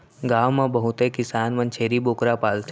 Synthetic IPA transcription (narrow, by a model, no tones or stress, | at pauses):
ɡaːʋmẽbəɦʊt̪ekɪsaːnʋɐ̃nt͡ʃʰeːɾiboːkɾapaːlt̪ʰe